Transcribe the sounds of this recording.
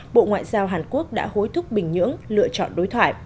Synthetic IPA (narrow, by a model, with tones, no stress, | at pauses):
ɓo̰˧˨ŋwa̰ː˧˨jzaː˧wɦaː˨˩nku˦˥ək̚ɗa̰ː˧˥ho˨˦jt̪ʰʊ˦˥k͡p̚ɓï˨˩ŋ̟ɲɨ̰˧˥əŋlɨ̰˧˨ət͡ɕɔ̰˧˨nɗo˨˦jt̪ʰwaː˧˩j